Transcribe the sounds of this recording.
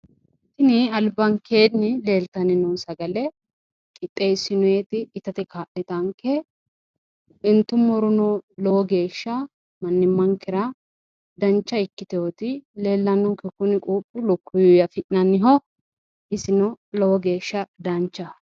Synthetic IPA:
t̪ːɪnɪɐlbɐŋkʰeːnnɪle̞ːlt̪ɐnɪnʊnsɐɡɐlɛ | kʼɪt̪ʼːeːsːɪnʊjeːt̪ɪːt̪ɐt̪ɛkaːʔɪt̪ɐŋkɛ | ɪnt̪ːʊmːɔɾʊnɔlɔwɔɡe̞ːʃːɐ | mɐnːɪmːɐŋkɪɾɐ | d̪ɐnt͡ʃːɐɪkːɪt̪ɛjot̪ɪle̞ːlːɐnːɔŋkɛkʊnɪkʼuːpʼːʊlʊkːʊjʊjɐfɪʔnɐnːɪɦɔ | ɪsɪnɔlɔwɔɡe̞ːʃːɐd̪ɐnt͡ʃːɐ

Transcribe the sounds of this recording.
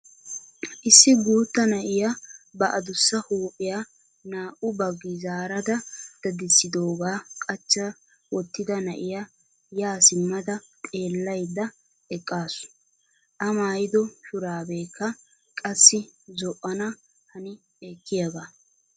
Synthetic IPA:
ʔɪsːɪɡuːt̪ːɐnɐʔɪjabɐʔɐd̪ʊsːɐhuːpʼɪja | naːʔʊbɐɡɪzaːɾɐd̪ɐd̪̥ɐd̪ɪsːɪd̪oːɡaːkʼɐt͡ʃːɐ | wɔt̪ːɪd̪ɐnɐʔɪja | jaːsɪmːɐd̪ɐt̪ʼe̞ːlːɐjd̪ɐ | ɛkʼːaːsʊ̥ | ʔɐmaːjɪd̪ɔʃʊɾaːbe̞ːkːɐ | kʼɐsːɪzɔʔːɐnɐ | hɐnɪ | ɛkːɪjɐɡaː

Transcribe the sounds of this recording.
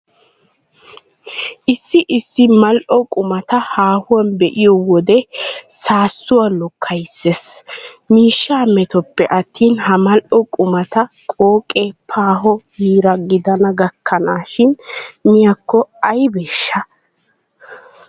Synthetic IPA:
ʔɪsːɪʔɪsːɪmɐlʔɔkʼʊmɐt̪ɐhaːhʊwɐnbɛʔɪjɔwɔd̪ɛsaːsːʊwalɔkʰːɐjsːesmiːʃːaːmɛt̪ɔpːɛʔɐt̪ːiːnhɐmɐlʔɔkʼʊmɐt̪ɐ | kʼoːkʼːepʰaːɦɔhiːɾɐɡɪd̪ɐnɐɡɐkʰːɐnaːʃɪnmɪjɐkːɔɐjbeːʃːɐ

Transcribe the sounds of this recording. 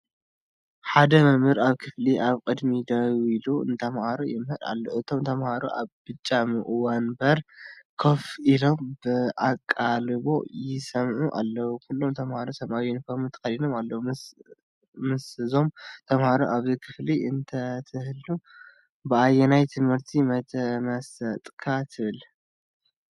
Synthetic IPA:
ħad̪ɐmɨmhɨɾaβkʰɨfliʔaβkʼɨd̪mid̪ɐwiluɨ̰nt̪ʰɐmhaɾojɪmhɨɾa̰lːoʔɨt̪ʰo̞mt̪ʰɐmhaɾo̰ʔa̰βb̥ɨt͡ʃʼːamɨʔɨwanbɐɾkʰofilo̞mbɨʔakʼːalɨβo̞̰jɪsɐmʕuʔa̰lːɐwukʰulːomt̪ʰɐmhaɾosɐmʔawinfoɾmɨt̪ʰɐ̥kɐlinomalːɐwu | mɨsɨzo̞mt̪ʰɐmhaɾoʔaβzikʰɨfliɨnt̪ʰɐt̪ʰɨhɨlu | bɨajːɛnajt̪ʰɨmhɨɾt̪ʰimɐt̪ʰɐmɐsɐt̪ʼkʰat̪ʰɨβɨl

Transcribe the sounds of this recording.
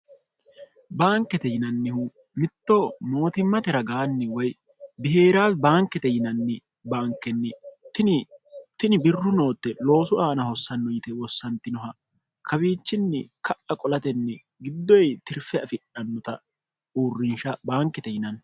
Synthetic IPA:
baːŋkːɛt̪ɛjɪnɐnːɪhu | mɪt̪ːomo̞ːt̪ɪmːɐt̪ɛɾɐɡaːnːɪwɔj | bɪhe̞ːɾaːsbaːŋkːɛt̪ɛjɪnɐnːɪ | baːŋkːɛnːɛt̪ɪnt̪ɪnɪbɪrːʊno̞ːt̪ːɛlo̞ːsʊʔaːnɐhɔsːɐnːɔjɪt̪ɛwɔsːɐnt̪ːɪnɔɦɐ | kʰɐbiːt͡ʃːɪnːɛkʰɐʔɐkʼɔlɐt̪ɛnːɛ | ɡɪd̪ːɔjt̪ɪɾfɛɐfɪᶑɐnːɔt̪ɐ | uːrːɪnʃɐbaːŋkːɛt̪ɛjɪnɐn

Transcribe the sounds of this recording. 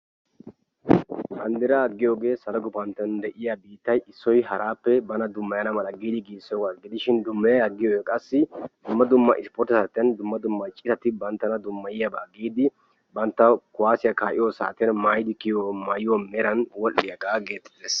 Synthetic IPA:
ʔɐnd̪ɪɾaɐɡːɪjo̞ːɡe̞ːsɐlɐɡʊbɐnt̪ːɪɐnd̪ɛʔɪjabiːt̪ːɐjɪsːɔjɦɐɾaːpːɛbɐnɐd̪ʊmːɐjɐnɐmɐlɐɡiːd̪ɪɡiːsːoɡaɡɪd̪ɪʃɪnd̪ʊmːɐjɐɐɡːɪjoːjɛkʼɐsːɪd̪ʊmːɐd̪ʊmːɐ̰ʔɪspɔɾt̪ɐsaːt̪ːɪjɐnd̪ʊmːɐd̪ʊmːɐt͡ʃʼɪsɐt̪ɪbɐnt̪ːɐnɐd̪ʊmːɐjɪjɐbaːɡiːd̪ɪ | bɐnt̪ːɐkʊwaːsɪjɐkaːʔɪjosa̰ːt̪ːɪjɐnmaːjɪd̪ɪkɪjomaːjɪwɔmɛɾɐnwɔlːɪjɐɡaːɡeːt̪ːɪd̪eːs

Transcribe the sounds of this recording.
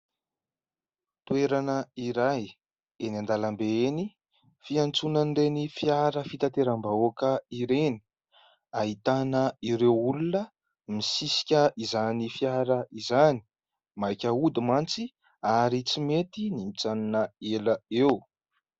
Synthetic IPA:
t̪weɾanəiɾaj | enand̪alambeeni | fiant͡sunanɖ͡ʐenifjaɾəfit̪at̪eɾambaokəiɾeni̥ | aɦit̪anəiɾewulunə | misisi̥kʲəʔizanifjaɾəizani̥ | majkʲəud̪imant͡si | aɾit͡simet̪inimit͡saninəeləew

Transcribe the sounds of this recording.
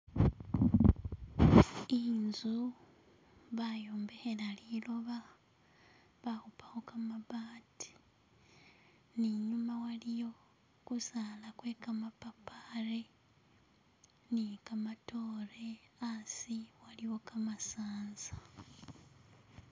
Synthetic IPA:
iːnzu | βajoːmbe̞helaliːloβa | βahupahokamaβaːtʰi̥ | niɲumawalijo̞ | kusalakwe̞kamapapaɾe | nikamato̞ːɾe̞asiwaliwo̞kamasaːnza

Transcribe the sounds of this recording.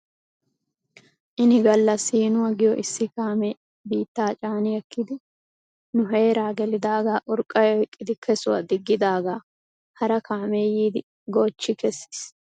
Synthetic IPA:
ʔɪnɪɡɐlːɐsiːnʊwɐɡɪjɔʔɪsːɪkaːmɛː | biːt̪ːaːt͡ʃʼaːnɪjɛkːɪd̪ɪ | nʊɦe̞ːɾaːɡɛlɪd̪aːɡaːʔʊɾkʼːɐjɔɪkʼːɪd̪ɪkʰɛsʊwa̰d̪ɪɡːɪd̪aːɡaː | hɐɾɐkʰaːmeːjiːd̪ɪ | ɡoːt͡ʃːɪkɛsːi̥s

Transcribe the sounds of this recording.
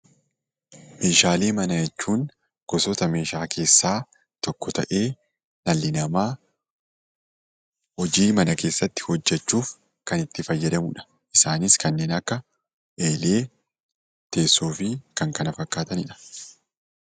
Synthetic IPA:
me̞ːʃaːleːmɐnɐjɛt͡ʃːuːn | ɡ̥ɔsɔt̪ɐme̞ːʃaːkʰe̞ːsːaː | t̪ɔkːɔt̪ɐ̰ʔe̞ː | nɐlːɪnɐmaː | hɔd͡ʒiːmɐnɐke̞ːsːɐt̪ːɪ̥hɔd͡ʒːɛt͡ʃːuːf | kɐnɪt̪ːɪfɐjːɐd̪ɐmʊᶑɐ̥ | ʔɪsaːnɪskɐnːe̞ːnɐkːɐ | ʔe̞ːle̞ː | t̪e̞ːsːuːfɪkɐŋkɐnɐfɐkːaːt̪ɐnɪᶑɐ̥

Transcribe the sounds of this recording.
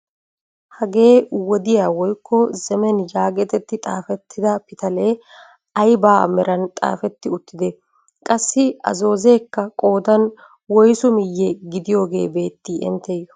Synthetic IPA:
hɐɡe̞ːwɔd̪ɪjaːwɔjkːɔzɛmɛnjaːɡɛt̪ɛt̪ːɪt̪ʼa̰ːfɛt̪ʰːɪd̪ɐpɪt̪ɐleː | ɐjbaːmɛɾɐnt̪ʼa̰ːfɛt̪ːɪʊt̪ːɪd̪ɛ | kʼɐsːɪɐ̰zo̞ːze̞ːkːɐkʼo̞ːd̪ɐn | wɔjsʊmɪjːɛɡɪd̪ɪjo̞ːɡe̞ːbe̞ːt̪ːiːɛ̰nt̪ːɛjːɔ

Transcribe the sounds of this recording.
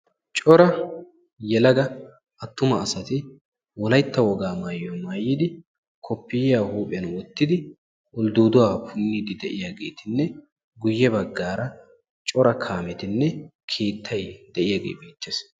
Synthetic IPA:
t͡ʃʼɔɾɐ | jɛlɐɡɐ | ɐt̪ːʊmɐːsɐt̪ɪ | wɔlɐjt̪ːɐwɔɡaːmaːjːɔmaːjːɪd̪ɪ | kʰɔpːɪjjaːhuːpʼɪjɐnwɔt̪ːɪd̪ɪ | ʔʊld̪uːd̪ʊwaːpʰʊnːid̪ɪd̪ɛʔɪjaːɡe̞̰ːt̪ɪnːɛ | ɡʊjːɛbɐɡːaːɾɐ | t͡ʃʼɔɾɐkʰaːmɛt̪ɪnːɛ | kʰeːt̪ʰːɐjd̪̥ɛʔɪjaːɡḛːbiːt͡ʃːeːs

